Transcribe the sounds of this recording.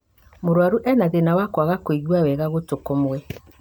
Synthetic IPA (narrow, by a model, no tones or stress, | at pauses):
moɾwaɾuʔɛnaðenawakwaɣakoiɣwawɛɣaɣotokomwɛ